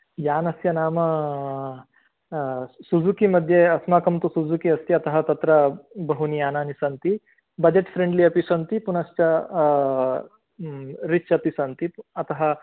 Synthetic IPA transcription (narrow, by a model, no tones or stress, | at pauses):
jaːnɐsjɐnaːmɐ | sud͡ʒukimɐd̪ʱjeɐsmaːkɐmt̪usud͡zukiɐst̪iɐt̪ɐɦɐt̪ɐt̪ɾɐbɐɦunijaːnaːnisɐnt̪i | bɐd͡ʒeʈfʰɾeɳɖliɐpisɐnt̪ipunɐst͡ʃɐ | ɾit͡ʃɐpisɐnt̪iɐt̪ɐɦɐ̆